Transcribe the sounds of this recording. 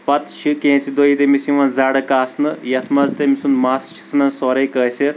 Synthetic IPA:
pɐt̪ʃikẽːt͡sid̪ojit̪emisĩʋɐ̃nd͡zaːɽəkaːsnɨjɐt̪ʰmɐzt̪emisunmaːsʃi̥snɐnsoːɾɐjkəseɾ

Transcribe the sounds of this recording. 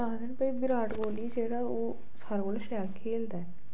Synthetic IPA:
aːd̪ənpəibɪɾaːʈɡoːliːd͡ʒeːɽaːoː | saːɾɡoːleʃɛːlkʰeːld̪aːɛː

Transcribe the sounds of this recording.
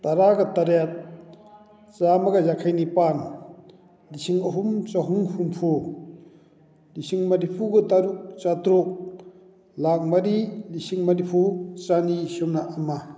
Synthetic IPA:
t̪aɾaɡat̪aɾat̪̚ | t͡ʃamaɡazakʰajnipan | lisiŋɐɦumt͡ʃaɦuŋhumpʰu | lisiŋmanipʰuɡɯt̪aɾuk̚t͡ʃat̪ɾuk̚ | lak̚maɾilisiŋmanipʰut͡ʃanisɔmnaʔːma

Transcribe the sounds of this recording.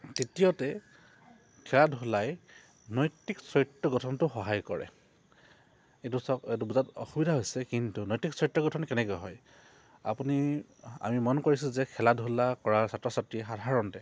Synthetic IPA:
titijɔtɛ | kʰɛladʱulaj | nɔjtiksɔjtɹɔɡɔtʰɔntʊxɔɦajkɔɹɛ̰ | etusɔetubuzatɔ̰xubidʱaɦojsɛkintunɔjtiksɔjtɹɔɡɔtʰɔnkɛnɛkɔjɦɔ̰j | a̰puni | a̰mimɔnkoɹisizɛkʰɛladʱulakɔɹasatɹɔsatɹiɛxadʱaɹɔntɛ

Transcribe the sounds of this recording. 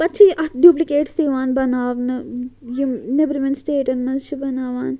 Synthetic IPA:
pɐt̪ːt͡ʃʰiʔɐɖjuːplikeːʈst̪eːʋaːnbɐnaːʋnɐjinebɾimẽnʈsʈeːʈɐnnːɐzt͡ʃʰibɐnaːʋaːn

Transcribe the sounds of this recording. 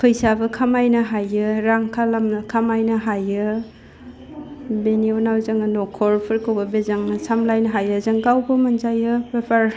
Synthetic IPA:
pʰɯjsabɯkʰamajnɐɦajɯɾaŋkʰalamnɐkʰamajnɐɦajɯ | benionawzaŋɯnɔkʰɔɾpʰɯɾkʰɯwbɐbezaŋsamlajnɐɦajɯzɯŋɡawbɯmɐnzajɯpepʰaɾ

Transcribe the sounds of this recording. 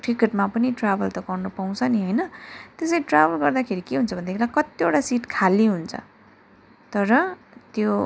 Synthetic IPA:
ʈrikeʈmapʌniʈrabʌlt̪ʌɡʌrnʌpaw̃t͡sʰʌniɦʌjnʌt̪eseʈrabʌlɡʌrd̪akʰeɾikeɦunt͡sʰʌbʱʌnd̪ekʰelakʌt̪ioʈasiʈkʰalːiɦunt͡sʰʌ̰ | t̪ʌɾʌ | t̪jo

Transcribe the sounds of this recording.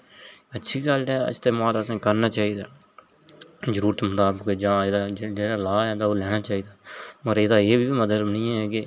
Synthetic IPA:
ətːʃʰiːɡəlɛːɪ̰st̪eːmaːləsãːkəɾnaːt͡ʃaːiːd̪aː | zəɾuːɾət̪mʊt̪aːbked͡ʒãːed̪aːd͡ʒeːɽaːlaːɛ̃ːd̪aːoːlɛːnaːt͡ʃaːiːd̪aːpəɾed̪aːeːbʱiːbiːməd̪əlbnĩːɛ̃ːɛːkɪ

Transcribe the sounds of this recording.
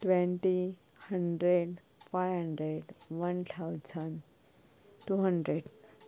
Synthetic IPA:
ʈʋẽɳʈi | həɳɖɾeɖ | fajɦəɳɖɾeɽʋənt̪ʰawd͡zən | ʈuɦəɳɖɾeɖ

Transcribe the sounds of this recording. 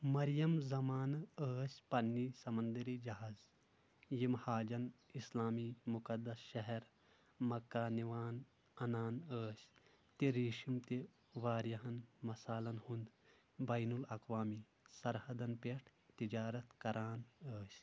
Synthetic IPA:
mɐɾjɐmzɐmaːnəːsʲpɐnːisɐmɐnd̪ɐɾiːd͡ʒɐɦaːz | jimhaːd͡ʒɐnislaːmimukɐd̪ːɐsʃɐɦɛɾ | mɐkːaːniʋaːn | ɐnaːnəːsʲ | t̪iɾiːʃimt̪e | ʋaːɾjɐɦɐnmɐsaːlɐnhund̪ | bɐjnulɐkʋaːmi | sɐɾhɐd̪ɐnpeʈʰt̪id͡ʒaːɾɐt̪kɐɾaːnəːsʲ

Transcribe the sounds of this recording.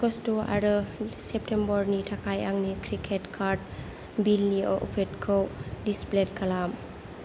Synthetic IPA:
ɡɔstoa̰ɾɯsep̚tʰembɔɾnitʰakʰajaŋnikʰɾikʰetkʰaɾd̚ | bilniɔ̰ʔṵpʰet̚kʰɔwdisplet̚kalam

